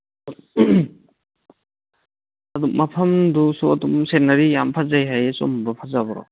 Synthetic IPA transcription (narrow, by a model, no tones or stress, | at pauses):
ɐduk̚mapʰɐmdusuɐdumsenɐɾijampʰazajɦajso̰mbɐpʰazabɔɾɔ̰